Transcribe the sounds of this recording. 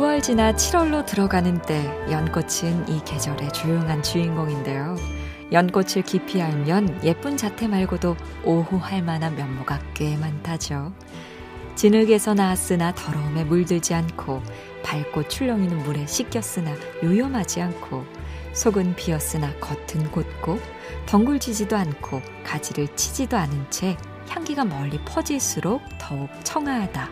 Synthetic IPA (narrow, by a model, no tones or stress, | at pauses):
uʌɭd͡ʑinat͡ɕʰiɾʌɭːotɯɾʌɡanɯnt͈e̞jʌnk͈ot͡ɕʰinike̞d͡ʑʌɾe̞t͡ɕujɯŋɦant͡ɕuinɡʌŋinde̞jo | jʌnk͈ot͡ɕʰɯɭkipʰiɦamjʌnje̞p͈und͡ʑatʰe̞maɭɡodo | oɦuhaɭmanamjʌnmoɡak͈e̞mantʰad͡ʑo | t͡ɕinɯɡe̞sʰʌnas͈ɯnatʌɾʌɯme̞muɭdɯd͡ʑiankʰo | paɭk͈ot͡ɕʰuʎːʌŋinɯnmuɾe̞ɕʰik͈jʌs͈ɯna | jujʌmɦad͡ʑiankʰo | sʰoɡɯnpiʌs͈ɯnakʌtʰɯnkot̚k͈o | tʌŋɡuɭd͡ʑid͡ʑidoankʰo | kad͡ʑiɾɯɭt͡ɕʰid͡ʑidoanɯnt͡ɕʰe̞ | çjaŋɡiɡamʌʎːipʰʌd͡ʑiɭs͈uɾok̚tʌuk̚t͡ɕʰʌŋaada